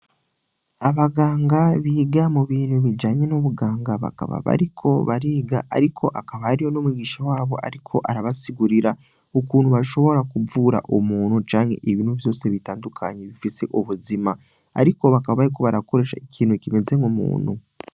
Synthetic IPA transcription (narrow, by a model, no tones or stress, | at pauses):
aβaɡaːŋɡaβiːɡamuβiːn̤huβid͡ʒaːɲe̞noβuɡaːŋɡaβa̰ka̰βa̰βa̰ɾikʰo̞βaɾiːɡaʔa̰ɾikʰo̞ʔakaβaːɾijo̞nomuɡiːʃawaːβo̞ʔa̰ɾikʰo̞ʔaɾaβasiɡuɾiɾa | okuːnhuβaʃo̞βo̞ɾakuvuːɾa̰ʔomuːnhut͡ʃaːŋe̞̰ʔeβiːnhuvjo̞ːse̞βitaːndukʰaɲeβifise̞̰ʔoβuzima | a̰ɾiko̞βakaβaβaɾiko̞βaɾako̞ɾe̞ːʃaekʰiːnhucime̞ze̞ŋɡomṵːn̤u